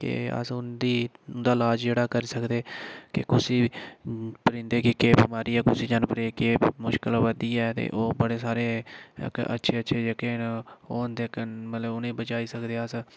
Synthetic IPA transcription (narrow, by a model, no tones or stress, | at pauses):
kḛə̰sʊnd̪iːnd̪aːlaːd͡ʒd͡ʒeːɽaːkəɾiːsəkd̪eːkɪ̰kʊsiː | pəɾɪ̃nd̪eːkekeːbiːmaːɾiːɛːkʊsiːd͡ʒənpəɾeːkeːmʊʃkəlʋəd̪iːɛːt̪ḛːʔoːbəɽeːsaːɾḛːkə̰tːʃʰeːətːʃʰeːd͡ʒekeːnoːnd̪ekmət̪ləbʊnẽːbət͡ʃaːiːsəkd̪eːəs